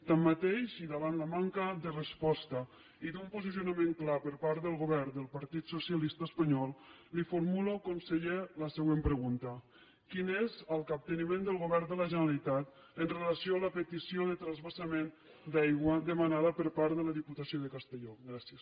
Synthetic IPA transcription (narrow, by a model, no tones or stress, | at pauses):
t̪amːat̪eʃiðaβanlamaŋkəd̪ərəspɔst̪ə | iðumpuzisiunamẽŋklapəɾpaɾt̪d̪əlˠɣoβɛɾd̪əlˠpaɾt̪it̪susialist̪aəspaɲɔlˠ | lifoɾmulokonseʎeləsəɣwempɾəɣunt̪ə | kinezəlˠkap̚t̪ənimẽnd̪əlˠɣoβɛɾd̪ələʒənalit̪at̪ | ənrelasioaləpət̪isioðət̪ɾəzβəsamen | d̪ajɣwəd̪əmanaðəpəɾpaɾðələðiput̪asioðəkast̪eʎɔɡɾasjəs